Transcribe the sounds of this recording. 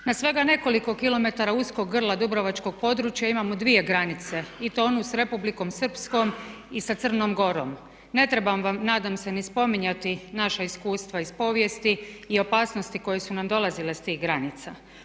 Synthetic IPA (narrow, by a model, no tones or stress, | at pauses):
nasʋe̞ɡane̞ko̞liko̞kilo̞me̞t̪aɾausko̞ɡːr̩lˠad̪ubɾoʋat͡ʃko̞ɡ̚po̞d̪ɾut͡ʃjaimamod̪ʋie̞ɡɾanit̪se̞it̪onusɾe̞publiko̞msɨr̩psko̞m | isat̪sr̩no̞ːmɡo̞ɾo̞̰m | ne̞t̪ɾe̞bamʋamnaːd̪amse̞nispo̞miɲat̪inaʃaiskuːst̪ʋaispo̞ʋje̞st̪iːo̞paːsno̞st̪iko̞je̞sunamd̪o̞lˠazile̞st̪iːɣɡɾanit̪sa